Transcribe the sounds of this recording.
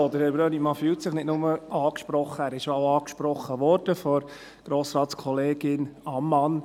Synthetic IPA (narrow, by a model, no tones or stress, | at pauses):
od̪əɾɛbɾøːnimɑfyːltsɪχnɪtnʊməʔɑːkʃpɾɔχːəæːɾɪʃjoaɑːkʃpɾɔχːəʋɔɾd̥əfɔɾ | ɡ̥ɾoːsɾɑːtskʰɔleːɡɪnɑmːɑn